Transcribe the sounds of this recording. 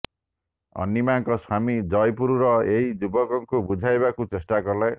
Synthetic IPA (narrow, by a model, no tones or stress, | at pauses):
ʌ̰nːimaŋkʌswamid͡zʌjpuɾuɾʌeɦid͡ʒubʌkʌŋkobud͡zʱajbakut͡sesʈaɡʌrla